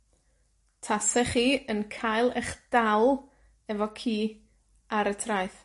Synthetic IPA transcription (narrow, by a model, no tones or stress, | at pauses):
tʰasɛχiːənkʰajlˠɛχd̥alˠ | ɛvɔkʰiː | aɾətʰrajθ